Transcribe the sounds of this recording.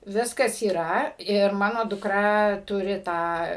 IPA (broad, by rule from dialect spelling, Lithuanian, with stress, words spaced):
ˈʋʲɪskɐs iːˈrɐ ɪr ˈmɑːnoː dʊˈkrɐ ˈtʊrʲɪ ˈtɑː